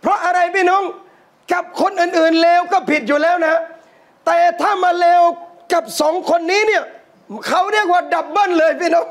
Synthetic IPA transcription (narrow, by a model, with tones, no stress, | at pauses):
pʰɾɔ˦˥ʔa˧ɾa˧jpiː˥˩no˦˥˨ŋ | ka˨˩p̚kʰo˧nʔɯː˨˩nʔɯː˨˩nleː˧wkɔː˥˩pʰi˨˩t̪̚juː˨˩lɛː˦˥wna˦˥ha˦˥ | t̪ɛː˨˩t̪ʰaː˥˩maː˧leː˧wka˨˩p̚sɔ˩˦ŋkʰo˧nːiː˦˥ni˥˩ɐ | kʰa˦˥wɾi˥˩ək̚waː˥˩da˨˩p̚ba˥˩˨nlɤː˧jpʰiː˥˩no˦˥˩ŋ